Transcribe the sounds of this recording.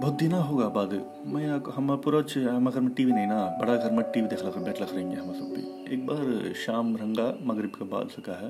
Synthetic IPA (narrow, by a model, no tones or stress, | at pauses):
bʱod̪ʱːinaːɦuːɣaːbaːd̪ɯ | mɐjaːkɦɐmɐpʊɾaːt͡ʃɦɐmɐkɐɾmɐʈːiːʋinɐjnaːbɐɽaːkɐɾmɐʈːiːʋid̪ekɐlɐkɐɾmbekɐlɐkɐɾiŋɐɦɐmɐsɐmpḭ | ḛːk̚baːɾʃaːmɾɐŋɡaːmɐɡɐɾɪbkɐba̰ːd̪sɐkaːɦɐ